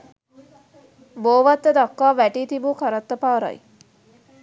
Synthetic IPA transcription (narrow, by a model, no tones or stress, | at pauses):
boːʋat̪ːəd̪akːaːʋæʈiːt̪ibukʰaɾɐt̪ːəpaːɾɐ̰j